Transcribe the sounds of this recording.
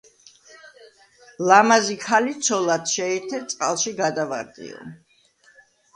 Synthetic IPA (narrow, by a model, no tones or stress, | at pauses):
lamazikʰalit̪sʰɔlat̪ʃɛɛt̪ʰɛt̪sʼqʼalˠʃiɡad̪ava̰ɾd̪ʼḭɔ̰